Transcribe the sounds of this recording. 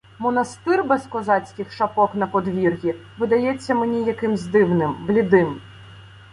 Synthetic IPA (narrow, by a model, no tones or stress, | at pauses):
mɔnɐst̪ɪrbɛskɔzɑt͡sʲkʲɪxʃɐpɔknɐpɔd̪ʋʲirɦʲiʋɪd̪ɐjɛt͡sʲːɐmenʲijɐkɪmzʲd̪ɪwnɪmblʲid̪ɪm